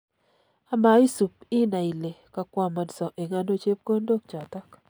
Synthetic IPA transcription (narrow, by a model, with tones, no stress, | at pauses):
a˦ma˨i˦su˨p̚ɪ˦na˨i˨le˨ka˨kwa˦˨ma˨dsɔ˨ʔe˨ŋa˦no˦t͡ʃe˦p̚ko˦ndo˦k̚t͡ʃa˨ta˦k